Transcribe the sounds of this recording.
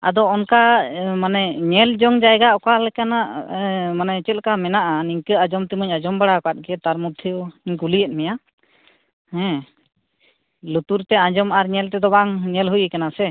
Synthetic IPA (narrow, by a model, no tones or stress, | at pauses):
a̰d̪ɔːnkamanɛɲɛld͡ʒɔŋd͡ʒajɡaʔɔkalɛkanaʔmanɛt͡ʃɛt̪̚kamɛnaʔaniŋkəad͡ʒɔmt̪iməɲad͡ʒɔmbaɽakat̪̚ɡɛt̪aɾmud̪ʱʰjuiɲkulijɛt̪̚ˀmɛja | hɛ̃ | lut̪uɾt̪ɛãd͡ʒɔmaɾɲɛlt̪ɛd̪ɔbaŋɲɛlɦujɛkanasɛ